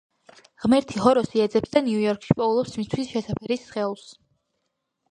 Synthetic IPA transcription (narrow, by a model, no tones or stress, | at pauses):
ʁmɛɾt̪ʰihɔɾɔsiɛd̪zɛpsd̪aniujɔɾkʰʼʃi̥pʼɔulˠɔpsmit̪ʰwisʃɛsapʰɛɾisːχɛlˠs